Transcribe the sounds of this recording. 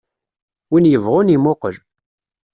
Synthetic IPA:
winjəvʁʊnimʊqəʒ

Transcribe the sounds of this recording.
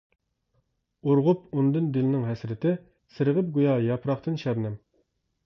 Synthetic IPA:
uɾʁʊp̚und̪ɨnd̪ɪlɪnɪŋɦɛsɾɪt̪ʰɪ | sɨɾɨʁəp̚ɡujɑjɑpɾɑχt̪ʰɨnʃɛɾnɪm

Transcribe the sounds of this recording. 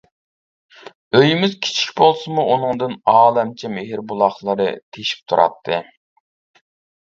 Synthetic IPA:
øjimɪzkʲʰi̥t͡ʃʰi̥kʲbolˠsɨmuʔunɨŋd̪ɨnɑːlˠɛmt͡ʃʰɛmeɦɪɾbulˠɑχlˠɨɾɨ̰t̪ʰeʃi̥p̚t̪ʰuɾʔɑ̰t̪ʰːɨ̰

